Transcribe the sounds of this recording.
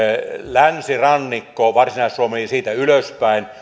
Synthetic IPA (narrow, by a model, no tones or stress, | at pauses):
lænsirɑnːikːoːʋɑrsinɑˑissuomelsiːt̪æyløspæˑin